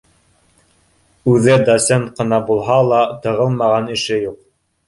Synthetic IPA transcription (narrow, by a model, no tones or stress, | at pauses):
ʉðɘd̪osʲent̪qɤ̆nɑbulˠɦɑlˠɑt̪ɤ̆ʁɤlˠmɑʁɑnɘ̆ʃɘjuq̚